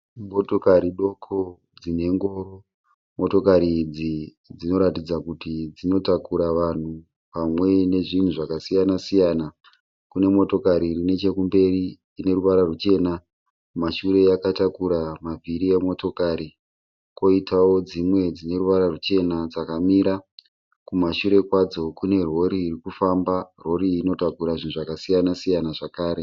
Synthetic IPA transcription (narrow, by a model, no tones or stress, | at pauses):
motokaɾiɗo̞kʰo | d͡zine̞ŋɡo̞ɾo̞ | mo̞to̞kaɾid͡zi | d͡zino̞ɾatid͡zakutid͡zino̞takuɾaʋan̤u | pamwe̞ne̞ʐin̤uʐakasijanasijana | kune̞mo̞to̞kaɾirine̞t͡ʃe̞kumbe̞riː | ne̞ɾuʋaɾarut͡ʃe̞na | maʃuɾe̞jakatakuɾamaviɾie̞mo̞to̞kaɾi | ko̞itʰawo̞d͡zimwe̞d͡zine̞ɾuʋaɾarut͡ʃe̞nad͡zakamiɾa | kumaʃuɾe̞kwad͡zo̞kune̞ro̞ɾiːrikufambaro̞ɾiːno̞takuɾaʐin̤uʐakasijanasijanaʐakaːɾe